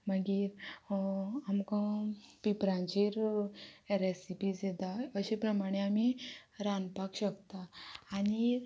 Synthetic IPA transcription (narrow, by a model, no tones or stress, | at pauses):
məɡiɾ | amkãpipɾãnd͡ʑiɾ | eɾesipid͡zet̪aəɕepɾəmaɽ̃eamiɾãnpakɕəkt̪aːñi